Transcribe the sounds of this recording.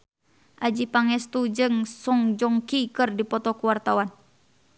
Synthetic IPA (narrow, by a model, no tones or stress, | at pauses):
ʔad͡ʒipaŋɛst̪ud͡ʒɨŋsɔŋd͡ʒɔŋkikɨrdipɔt̪ɔkuwart̪awan